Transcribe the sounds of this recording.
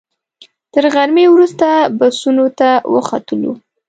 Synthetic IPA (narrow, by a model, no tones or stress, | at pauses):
t̪əɾɣaɾmewɾust̪abasunot̪awə̰xat̪əlo̰